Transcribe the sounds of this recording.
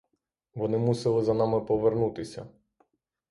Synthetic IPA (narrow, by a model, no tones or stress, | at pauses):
ʋɔnɪmusɪlˠɪzɐnɑmɪpɔʋernut̪ɪsʲɐ̰